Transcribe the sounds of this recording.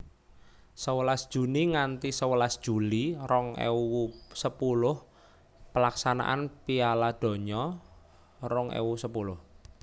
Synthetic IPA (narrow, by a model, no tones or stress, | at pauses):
səwəlasd̥ʒ̥ṳniŋant̪isəwəlasd̥ʒ̥ṳlirɔŋḛwusəpulʊh | pəlaksana̰ʔa̰npialad̪̥o̤ɲɔ | rɔŋḛwusəpulʊh